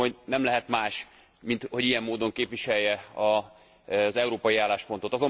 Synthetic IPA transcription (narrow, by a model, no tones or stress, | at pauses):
onɛmlɛɦɛt̪maːʃ | mint̪ho̞ɟijɛmːoːd̪o̞ŋkeːpvʋiʃɛjːɛɒ | zɛuɾoːpɒjiaːlːaːʃpo̞nt̪o̞t̪ɒzo̞